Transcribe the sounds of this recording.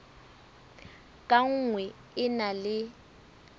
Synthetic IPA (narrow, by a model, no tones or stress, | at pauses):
kʼaŋ̩ŋwɛ | ɪnalɪ